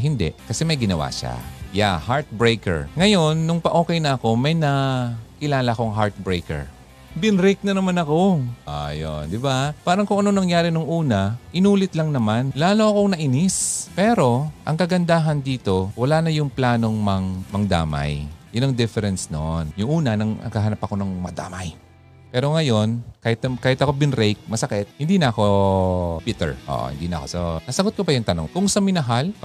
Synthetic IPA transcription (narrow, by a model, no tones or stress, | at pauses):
ɦɪnd̪ɛ̰ʔkɐsɛmɐjɡɪnɐwa̰ːʃa̰ja̰haɹt̪̚bɹejkɛ̰ɹŋɐjo̞nːʊŋpɐʔo̞ːkɛjnɐɐko̞mɐjnɐkɪlaːlɐɐko̞ŋɦaɹt̪̚bɹejkɛ̰ɹ | bɪnɾɪk̚nɐnɐmanɐko̞ʔa̰jo̰nd̪ɪbapaːɾɐŋkʊŋʔɐno̞nɐŋjaːɾɪnʊŋʔuːnɐʔɪnuːlɪt̪lɐŋnɐmanlaːlo̞ʔɐko̞ŋnɐʔɪnɪspɛːɾo̞ʔɐ̰ŋkɐɡɐnd̪aːɦɐnd̪iːt̪o̞wɐlaːnɐjʊŋplaːno̞ŋmɐŋmɐŋd̪a̰ːmɐ̰jjʊnɐŋd̪ɪfɛɾɛnsno̰njʊŋʔuːnɐnɐŋɐ̰ɡkaːɦɐnɐpɐko̞nɐŋmɐd̪a̰ːmɐj | pɛːɾo̞ŋɐjo̞nkaːhɪt̪ɐkaːhɪt̪ɐkobɪnɾɛjk̚mɐsɐkɛt̪̚hɪnd̪iːnɐɐko̞ | bɪt̪ɛ̰ɹʔo̰ːʔhɪ̰nd̪iːnɐ̰ko̞̰sɐnɐsɐɡot̪kopɐjʊŋt̪ɐno̰ŋkʊŋsɐmɪnɐɦal